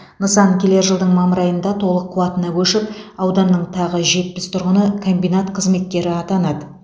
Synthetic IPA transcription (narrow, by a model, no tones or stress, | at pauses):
nəsɑnkʲʰele̞ɾʒəlˠd̪əɴmɑməɾɑjənd̪ɑt̪ʰo̞lˠəqʰːʊwɑt̪ənɑkʲʰɵʃɪpɑwd̪ɑnːəɴt̪ʰɑʁəʒe̞t̪̚pɪst̪ʰʊɾʁənəkʰo̞mbijnat̪qʰəzme̞t̪̚kʲe̞ɾɪɑt̪ɑnɑd̪ə